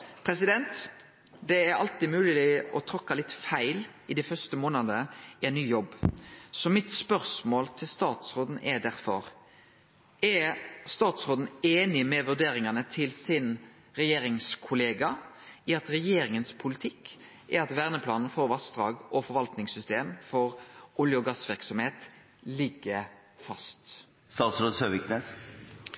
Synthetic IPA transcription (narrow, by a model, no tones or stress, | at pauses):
pʰɾɛsɪd̪ɛnt̪ | d̪ɛæɾɑ̰lt̪iːmʉːlɪlɪɔt̪ʰɾɔkːɑlɪt̪ːfæɪlɪd̪ɛfœʁst̪əmoːnəd̪əɪɛɪnnyːjɔbːsɔmɪt̪spœʁsmoːlt̪ʰɪlst̪ɑːt̪sʁoːd̪n̩ʔɛd̪æɾfɔ̰ɾ | ɛst̪ɑːt̪sʁoːd̪n̩eːnɪmɛʋʉd̪eːɾɪŋɑnət̪ʰɪlsɪn | ɾɛjeːɾɪŋskʰʊleːɡɑɪɑt̪ɾɛjeːɾɪŋənspʰʊlɪt̪ʰɪkː | ʔɛɾɑt̪ʋæʁnəpʰlɑːnn̩foːɾʋɑsd̪ʁɑ̰ːɡʔɔfɔɾʋɑlt̪nɪŋsʏst̪eːmfɔɾʊljəɔɡɑsʋɪʁksɔmheːt̪ | lɪɡːə | fɑst̪ | st̪ɑːt̪sɾoːd̪søːʋɪkneːs